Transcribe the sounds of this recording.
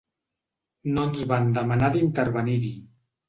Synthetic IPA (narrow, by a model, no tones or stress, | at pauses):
nonzβand̪əmanaðint̪əɾβəniɾi